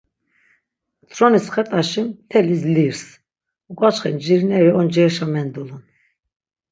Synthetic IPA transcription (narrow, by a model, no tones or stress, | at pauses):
t̪ʰɾɔnisχɛt̪ʼaʃimt̪ʰɛlisliɾs | ukʼat͡ʃχɛnd͡ʒiɾnɛɾiɔnd͡ʒɛɾʃamɛnd̪ulun